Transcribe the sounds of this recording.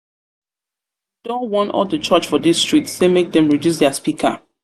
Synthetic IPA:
d̥ɔwɔ̃nɔ̰ldət͡ʃʌt͡ʃfɔdistɹ̥ik̚tsemek̚dɛ̃mɹidjus̬dɛaspikʰə̰

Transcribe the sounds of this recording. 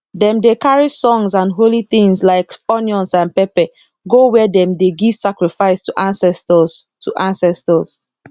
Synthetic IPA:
dɛ̃mdekaɹisɔ̃ŋsãnɦoliθĩŋslaɪkɔnjɔ̃nsãnpɛpɛ | ɡowɛdɛ̃mdeɡiv̥sakɹifaɪstuʔãnsɛstɔstʰuʔãnsɛstɔs

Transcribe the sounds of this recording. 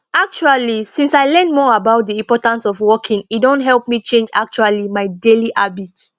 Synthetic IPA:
ak̚t͡ʃualisĩnsaɪlɛ̃nmɔabaʊt̚diĩmpɔtãnsɔfwɔkʰĩŋit̚dõntɦɛlp̚mit͡ʃẽnd͡ʒa̰k̚t͡ʃualimaɪdeliʔabit

